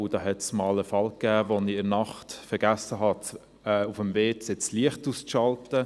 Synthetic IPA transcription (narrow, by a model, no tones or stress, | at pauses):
ʊd̥ɑːɦɛtsmɑːləfɑlkːæːvoniɪɾnɑχtfɛɾɡ̥æsəɦɑt | ɛːufəmveːsɪt͡sliəχtuːsʃɑlptə